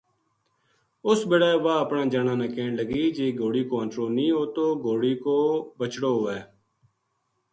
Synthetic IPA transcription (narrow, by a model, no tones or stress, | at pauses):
ʊsbeːɽaːʋaːəpnãːd͡ʒaːnãːnãːkẽːɳləɡiːd͡ʒeːɡoːɽiːkoːənʈɾoːlnĩːɦoːt̪oːɡoːɽiːkoːbət͡ʃɽoːɦoːeː